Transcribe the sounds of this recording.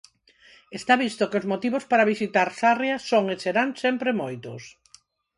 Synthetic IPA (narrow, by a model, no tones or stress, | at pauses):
est̪aβist̪okeozmot̪iβospaɾaβisit̪aɾsarjasoŋeseɾansɛmpɾemojt̪os